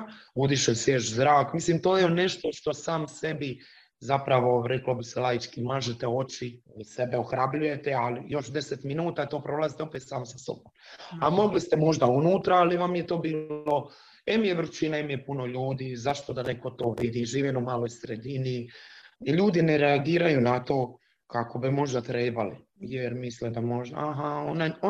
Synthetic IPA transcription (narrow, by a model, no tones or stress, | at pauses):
ud̪iʃoseʃzɾaːkmislimt̪oːjeene̞ʃt̪o̞ʃt̪o̞saːmse̞bi | zapɾaʋo̞ɾeklobiselˠajit͡ʃkimaːʒet̪eo̞t͡ʃi | se̞beoxɾabluje̞t̪ealijo̞ʃd̪eset̪minuːt̪at̪o̞ːpɾo̞ːlazit̪eopet̪saːmosaso̞̰bomamo̞ɡlist̪emo̞ʒd̪aunuːt̪ɾaaliʋamjet̪o̞ːbiːlo̞ | ɛmijeʋr̩t͡ʃinaimjepuno̞ʎuːd̪iːzaʃt̪od̪aneko̞t̪o̞ːʋid̪iʒiːʋinumaːlo̞jsɾed̪ini | ʎuːd̪ineɾeaɡiːɾajunat̪o̞ː | kako̞bimo̞ʒd̪at̪ɾeːbali | jeɾmislid̪amoʒaɦaonajo